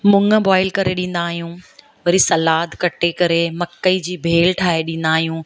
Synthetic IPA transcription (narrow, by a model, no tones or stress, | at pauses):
mʊ̃ŋə̆baːɪlkɐɾeɗĩːn̆d̪aːɦijũː | ʋɐɾisɐlaːd̪kɐʈekɐɾemɐkːəid͡ʑiːbʱeːlʈʰaːɦeɗĩːn̆d̪aːɦijũː